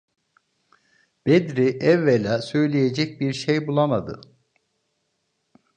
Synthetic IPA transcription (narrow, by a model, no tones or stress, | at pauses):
b̥ed̪ɾiʔɛvːelɛsø̞jlʲejed͡ʒɛc̚biɾʃejbulˠamad̪ɯ̰